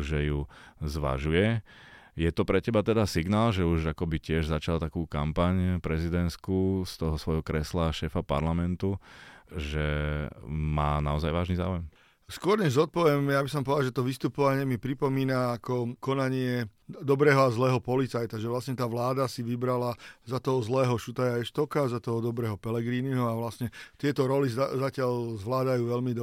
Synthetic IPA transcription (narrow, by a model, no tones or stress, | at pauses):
ʒɛjuzʋa̰ʒujɛ | jɛt̪ɔpɾɛcɛbat̪ɛd̪asiɡnaːlʒɛuʒakɔbicɪɛʒzat͡ʃalt̪akuːkampaɲpɾɛzid̪ɛnskust̪ɔɦɔsʋɔjɦɔkɾɛslaʃɛːfapa̰ɾlamɛnt̪u | ʒɛ | maːnaɔzajʋaːʒniza̰ːujɛm | skʊɔɾɲɛʒzɔt̪̚pɔʋɛmjabis̬ɔmpɔʋd̪aʒɛt̪ɔʋist̪upɔʋaɲɪɛmipɾipɔmiːnaːkɔkɔnaɲɪɛd̪ɔbɾɛːɦɔazlɛːɦɔpɔlit͡sajt̪aʒɛʋlasɲɛt̪aːʋlaːd̪asiʋibɾalazat̪ɔɦɔzlɛːɦɔʃut̪ajaɛʃt̪ɔʊkazat̪ɔɦɔd̪ɔbɾɛːɦɔpɛlɛɡɾiːniɦɔaʋlasɲɛt̪ɪɛt̪ɔɾɔlizzacɪalzʋlaːd̪ajuːʋɛlmid̪